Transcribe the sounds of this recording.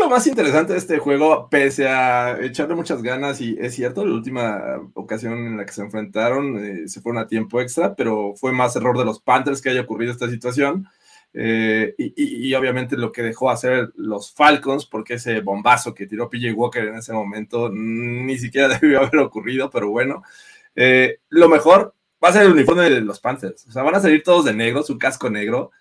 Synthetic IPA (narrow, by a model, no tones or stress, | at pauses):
lomasint̪e̞ɾes̬ant̪e̞ðest̪exwe̞ɣ̞o̞pe̞seaet͡ʃaɾle̞mut͡ʃazɣanasiʔesːje̞ɾt̪olaṵlt̪imaokasjo̞ne̞nlakeseːɱfɾe̞nt̪aɾo̞nese̞fwe̞ɾo̞nat̪je̞mpo̞e̞kst̪ɾape̞ɾo̞fwe̞mase̞ro̞ɾðe̞lo̞spant̪e̞ɾskeaʝaokuriðoest̪as̬it̪was̬jo̞n | eiio̞βjament̪e̞lo̞ke̞ðe̞xo̞ase̞ɾlo̞sfalkonspo̞ɾkeeseβo̞mbaso̞ke̞t̪iɾo̞piʝewoke̞ɾene̞se̞mõ̞mẽ̞nt̪o̞nis̬ikje̞ɾaðeiaβe̞ɾo̞kurið̞o̞pe̞ɾo̞βwe̞no̞ | elo̞me̞xo̞ɾ | base̞ɾelunifo̞ɾmeeðelo̞spant̪eɾsoseaβanas̬aliɾt̪o̞ð̞o̞zðe̞ne̞ɣɾo̞suŋkasko̞ne̞ɣɾo̞